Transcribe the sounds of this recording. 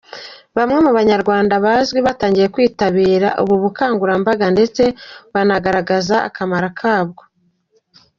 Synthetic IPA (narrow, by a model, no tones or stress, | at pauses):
βamŋe̞muβaɲaɾɡwaːndaβazɡwiβataːɲɟije̞kwiːtaβiːɾaʔṵβuβukaːŋɡuɾambaɡande̞t͡se̞βanaɡaɾaɡazaa̰kamaɾakʰaːbɡo̞